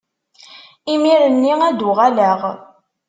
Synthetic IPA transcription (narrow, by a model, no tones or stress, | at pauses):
imiɾənːiæd̪uʁalæʁ